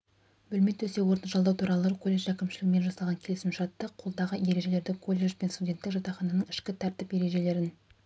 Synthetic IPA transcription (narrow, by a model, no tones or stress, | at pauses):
bɵlmet̪ʰːɵse̞wo̞ɾt̪əʒɑlˠd̪ɑwt̪ʰuɾɑlˠəkʰo̞lʲːe̞ʒækʲɪmʃɪlɪɡme̞nʒɑsɑlˠʁɑŋkʲʰe̞lɪsɪmʃɑt̪ːəqʰo̞lˠd̪ɑʁəje̞ɾe̞ʒe̞le̞ɾd̪ɪkʰo̞lʲːe̞ʒpe̞nst̪udʲe̞nt̪ːɪkʒɑt̪ɑχɑnɑnəɴɪʃkʲɪt̪ʰæɾt̪ɪpje̞ɾe̞ʒe̞le̞ɾɪn